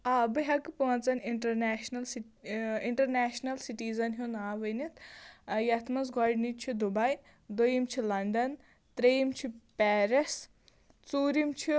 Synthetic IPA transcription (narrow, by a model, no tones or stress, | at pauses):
ɐbɨɦɐkpoːnt͡sɐniɳʈɐɾneʃnɐls | iɳʈɐɾneːʃnɐlsiʈiːzɐnɦunaːʋɨnit̪jɐt̪ʰmɐs̬ɡɔɖnit͡ʃʰid̪ubɐj | d̪ujimt͡ʃʰilɐɳɖɐn | t̪ɾejimt͡ʃʰipɛːɾes | t͡suːɾimt͡ʃʰi